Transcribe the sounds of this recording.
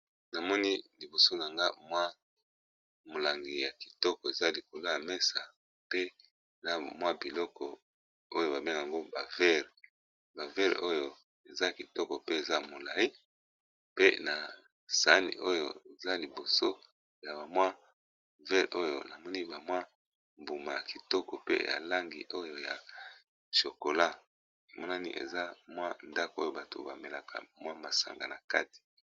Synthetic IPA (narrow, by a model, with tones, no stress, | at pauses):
na˨mɔ˦ni˦li˨bo˨so˦na˨ŋɡa˦mwa˦ | mo˨la˨ŋɡi˨ja˨ki̥˨tɔ˦kɔ˨e˨za˦li˨ko˨lo˦ja˨mɛ˦sa˨ | pe˦ | e˨za˦mwa˦bi˨lɔ˦kɔ˨ | o˦jo˦ba˨be˦ŋɡa˨ŋɡo˦ba˨vɛ˦ʁe˨ | ba˨vɛ˦ʁḛ˨ʔo˦jo˨ | e˨za˦˨ki˨tɔ˦kɔ˨pe˦e˨za˦mo˨la˨i˦ | pe˦na˨ | sa˦nḭ˨ʔo˦jo˦˨e˨za˦li˨bo˨so˦ | ja˨ba˨mwa˦ | vɛ˦ʁʔo˦jo̰˨na˨mɔ˦ni˦ba˨mwa˦ | mbu˨ma˨ja˨ki˨tɔ˦kɔ˨pḛ˦ja̰˨la˦ŋɡḭ˨ʔo˦jo˦ja˨ | ʃo˨ko˨la˦ | e˨mɔ˦na˦ni˦ʔḛ˨za˦mwa˦nda˦ko˦jo˦ba˨to̰˨ba˨me˨la˨kʰa̰˨mwa˦ma˨sa̰˨ŋɡa̰˨na˨ka˦ti̥˨